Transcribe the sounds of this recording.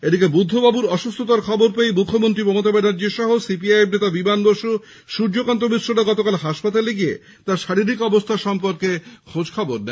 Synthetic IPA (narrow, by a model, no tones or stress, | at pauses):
ed̪ikebud̪ʱːobabuɾɔʃust̪ʰot̪aɾkʰɔboɾpejmukʰːomont̪ɾimɔmot̪abenad͡ʑeʃɔɦosip̬iajebnet̪abimanboʃu | ʃuɾd͡ʑokant̪ɾomisɾoɾaɡɔt̪okalɦaʃpat̪aleɡie | t̪aɾʃaɾiɾikɔbost̪ʰaʃɔmpoɾkekʰod͡ʑkʰɔboɾnɛ